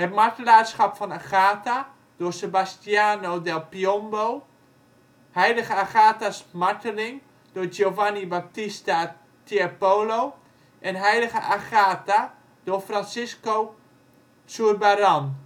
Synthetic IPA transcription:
hɛtmartəlaːsxɔpfɔnaχaːta | d̥oəsebastjaːnowdɛlpiɔmbow | hɛjləɣəaxaːtasmartəlɪŋ | d̥ojowvanibap̚tista | tiapoːlo | ʔɛnɦɛjləɣəʔaxaːta | doəfransɪsko | suərbaɾɔn

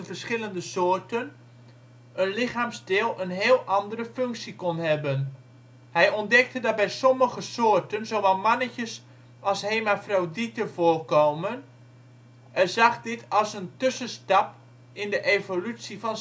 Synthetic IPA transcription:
ənvərɹsχɪləndəsʊːɹtən | ənlɪχaːmsdɪːlˠənɦɪːlˠʔɑndərəfʏŋksikɔnɦɛbən | hɛjɔndɛk̚tədɑt̚bɛjsɔməχəsoːrtənzowʋɛlˠmɑnəcəs | ɑlˠsheːmafrawditəvʊːrkoːmən | ɛrzɑχdɪtʰɑlˠsəntʏsənstɑp̚ | ɪndəʔevolysifɑn

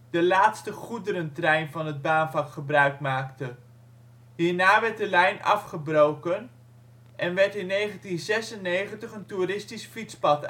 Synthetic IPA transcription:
d̥əlaːtstəχudəɾəntrɛjnvɑnɦəd̚baːnvɑkχəbrœɥkmaːktə | ɦiːɹnaːʋɛɹt̚dəlɛjnɑ̰fχəbrowkən | ʔɛnʋɛɹtɪnːejχəntinzɛsənːejχəntəχənturɪstisfitspɑt

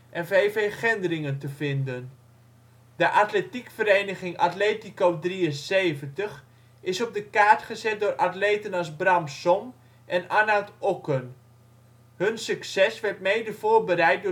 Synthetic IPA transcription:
ʔɛnvejveχɛndərɪŋəntəvɪndən | dəʔatletikfəɾejnəχɪŋa̰tleːtikowdriənsejvəntəχ | ɪsɔb̚dəkaːɹtχəzɛt̚dʊːrʔatlejtənɑzbramsɔm | ʔɛnanaltɔkən | hɵnsyksɛsʋɛɹtmejdəv̥ʊːɹbəɾɛjt̚dʊː

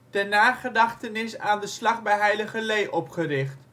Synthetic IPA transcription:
dənaːχədɑχtənɪsaːndəslɑχbɛjɦɛjləχəlejʔɔpχəɾɪχt

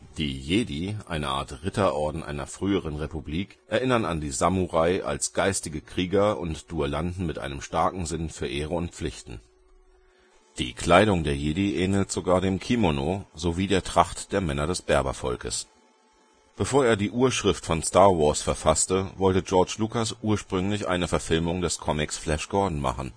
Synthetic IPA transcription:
d̥iːjeːdiʔa̰ɪnəʔa̰ːɐtʁɪtɐʔɔɐdn̩ʔa̰ɪnɐ̰fʁ̥yːəʁ̞ənʁepubliːkʔɛɐʔɪnɐna̰ndiːzamuʁaɪʔa̰lsɡ̥aɪstɪɡəkʁ̥iːɡɐʊ̰ntd̥uəlandn̩mɪtʔa̰ɪnəmʃtaɐkŋ̩zɪnfyːɐʔeːʁəʊntp͡flɪçtn̩ | d̥ḭːkʰl̥aɪɾʊŋdeːɐjeːdiʔɛːnltz̥oɡaːɐdeːmkʰimonozoviːdeːɐtʁ̥aχtd̥eːɐmɛnɐdɛsb̥ɛɐbɐ̰fɔ̰lkə̰s | b̥əfoːɐeːɐdiːʔuːɐʃʁ̥ɪftfɔnstaːɐwɔɐsfɛɐfastəvɔltəd͡ʒɔɐt͡ʃlukasʔuːɐʃpʁ̥ʏŋlɪçʔa̰ɪnəfɛɐfɪlmʊŋdɛskʰɔmɪksflɛʃɡ̥ɔɐdn̩ma̰χn̩

